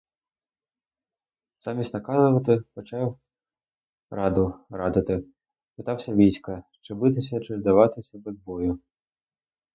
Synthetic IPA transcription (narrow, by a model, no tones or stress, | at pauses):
z̥ɑmʲisʲtʲnɐkɑzʊʋɐt̪ɪpɔt͡ʃɑw | rɑd̪ʊrɑd̪ɪt̪ɪ | pɪt̪ɑwsʲɐʋʲijsʲkɐt͡ʃɪbɪt̪̬ɪsʲɐt͡ʃɪzd̪ɐʋɑt̪ɪsʲɐbezbɔjʊ